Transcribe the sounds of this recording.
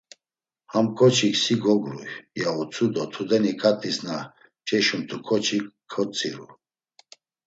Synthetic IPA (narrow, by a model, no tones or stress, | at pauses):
hamkʰʼɔt͡ʃʰiksiɡɔɡɾṵjjaut͡sʰud̪ɔt̪ʰud̪ɛnikʼat̪ʼisna | t͡ʃʼɛʃumt̪ʰukʰɔt͡ʃʰikʰːɔt͡sʼiɾṵ